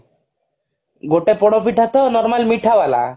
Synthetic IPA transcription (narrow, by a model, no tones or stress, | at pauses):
ɡoʈepɔɽ̃ɔpiʈʰat̪ɔnɔɾmalmiʈʰabala̰